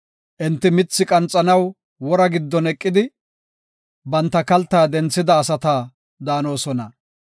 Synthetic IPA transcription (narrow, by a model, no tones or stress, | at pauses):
ʔɪnt̪ːɪmɪt͡sːɪkʼɐnt͡sʼːɐnɐw | wɔɾɐɡɪd̪ːɔnɛkʼːɪd̪ɪ | bɐnt̪ːɐkɐlt̪ːaːd̪ɛnt͡sːɪd̪ɐːsɐt̪aː | d̪aːno̞ːsɔnɐ